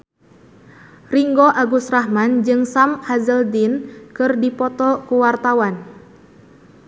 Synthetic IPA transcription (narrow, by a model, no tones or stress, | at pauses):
riŋɡɔʔaɡusrahmand͡ʒɨŋsamhazəldinkɨrdipɔt̪ɔkuwart̪awan